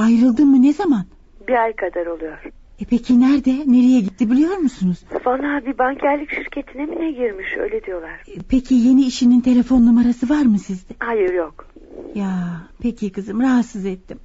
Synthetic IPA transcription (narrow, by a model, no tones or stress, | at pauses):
ajɾɯlˠd̪ɯmmːɯnezaman | biajkʰad̪aɾo̞lˠujoɾ̥ | ɛpʰecʰinæɾd̪ɛne̞ɾejɛɟit̪ʰːibilʲijo̞ɾmusunuz̥fanˠabibaŋcʰæɾlʲicʃiɾcʰet̪ʰinɛminɛɟiɾmiʃø̰jlʲɛd̪ijo̞lˠaɾ̥pʰecʰije̞niːʃinint̪ʰe̞lʲe̞fo̞nːumaɾasɯvaɾmɯsizd̪ɛhajɯɾjok | japʰecʰikɯzɯmɾaɦat̪sɯzɛt̪ʰːim